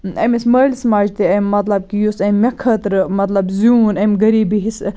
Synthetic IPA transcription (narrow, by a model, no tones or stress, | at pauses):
ɐmismɐːlʲsmaːd͡ʒt̪iɐmːɐt̪lɐb̚kijusɐmːʲɐkʰɐt̪ɾɨmɐt̪lɐbzuːnɐmʲɡɐɾiːbiɦis